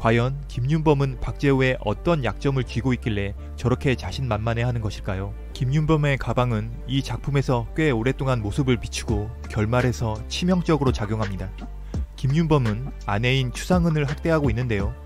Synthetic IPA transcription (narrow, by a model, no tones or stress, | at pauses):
kwajʌnkimɲunbʌmɯnpak̚t͡ɕ͈e̞ue̞ʔʌt͈ʌnjak̚t͡ɕ͈ʌmɯɭt͡ɕɥiɡoit̚k͈iɭːe̞ | t͡ɕʌɾʌkʰe̞t͡ɕaɕʰinmanmane̞ɦanɯnɡʌɕʰiɭk͈ajo | kimɲunbʌme̞kabaŋɯn | it͡ɕak̚pʰume̞sʰʌk͈we̞oɾe̞t͈oŋanmosʰɯbɯɭpi̥t͡ɕʰiɡo | kjʌɭmaɾe̞sʰʌt͡ɕʰimjʌŋt͡ɕ͈ʌɡɯɾot͡ɕaɡjoŋɦamɲida | kimɲunbʌmɯn | ane̞int͡ɕʰu̥sʰaŋɯnɯɭɦak̚t͈e̞ɦaɡoinːɯnde̞jo